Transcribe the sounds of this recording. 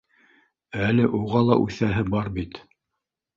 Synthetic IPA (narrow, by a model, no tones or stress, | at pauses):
ælɘʔuʁɑlˠɑʔʉθæɦɘbɑɾbit̪